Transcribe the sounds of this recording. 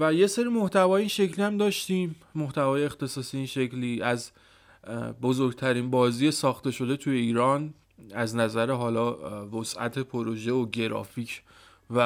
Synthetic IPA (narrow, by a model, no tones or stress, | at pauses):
væje̞seɾiːmoht̪ʰævɒːjeiːnʃe̞cʰlihæmd̪ɒːʃt̪ĩːmː | o̞ht̪ævɒːjeext̪e̞sɒːsiːeiːnʃe̞cʰliːʔæz | bozo̞ɾɡt̪ʰæɾinbɒːziːje̞sɒːxt̪e̞ʃo̞d̪e̞t̪ʰuje̞iːɾɒːn | æznæzæɾe̞ɦɒːlɒːvosʔæ̰t̪ʰe̞pʰoɾo̞ʒe̞oɟe̞ɾɒ̰ːfiːcʰ | væ